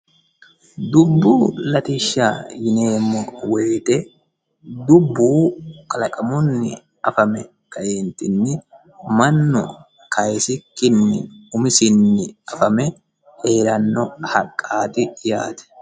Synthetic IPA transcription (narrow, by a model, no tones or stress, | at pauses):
d̪ʊbːuːlɐt̪ɪʃːaːjɪne̞ːmːɔweːt̪ɛ | d̪ʊbːuːkʼɐlɐkʼɐmɔnːɪ | ɐfɐmɛ | kɐʔeːnt̪ɪnːɪ | mɐnːɔ̰ | kɐjsɪkːɪnːɪ̰ʊmɪsɪnːɪɐfɐmɛ | he̞ːɾɐnːɔhɐkʼːaːt̪ɪjaːt̪ɛ̥